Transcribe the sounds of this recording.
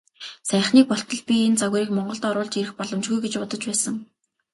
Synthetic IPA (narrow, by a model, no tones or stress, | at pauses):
sæːχniːk̚pɔɬt̪ɞ̆ɮpʲient͡saɣ̆ɾiːkmɔɴɢɞ̆ɬt̪ɔːɾʊːɮt͡ɕiɾɘ̆xpɔɮɞ̆mt͡ɕɡujɡet͡ɕpʊt̪ɞ̆t͡ɕpæːsə̆ŋ